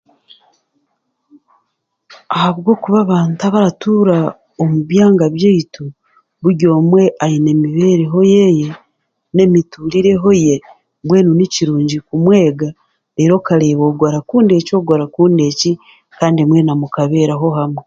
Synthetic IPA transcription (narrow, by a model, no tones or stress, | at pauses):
ahaβɡo̞ːkuβaβaːntaβaɾatuɾa | omuβjaːŋɡaβjeitu | βuɾɟo̞ːmwe̞ʔajine̞miβeːɾeɦo̞jeje | ne̞mituliɾe̞ɦo̞je | bwe̞ːnuniciɾuːɲɟikumwe̞ːɡa | eːɾo̞kaɾe̞ːβo̞ɡwaɾakuːnde̞co̞ːɡwaɾakuːnde̞ci | kaːndiemwe̞namukaβe̞ːɾaɦo̞ɦamwe